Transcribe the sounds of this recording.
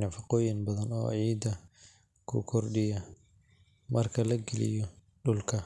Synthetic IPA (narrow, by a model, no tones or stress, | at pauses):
nɐfɑqɔːjɪnbɐðɐnɔ̰ːʕiːd̪ɐ | kʰʊ̰kʰɔrɖɪjɐ | mɐrkʰɐlɐɡɛlɪ̰jɔ | ɖʊlkʰɐ